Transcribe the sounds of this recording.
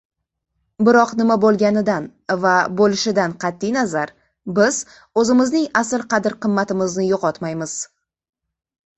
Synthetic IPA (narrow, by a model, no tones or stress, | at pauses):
bɪɾɒqnɪmabolˠɡʲanɪd̪an | vabolɪʃɪd̪anqʰɑt̪ːijnazaɾ | bɪz̥ | ɵzɪmɪznɪŋasɪlˠqɑd̪ɪɾqʰɨmːat̪ɪmɪznɪjoqɒt̪majmɪz̥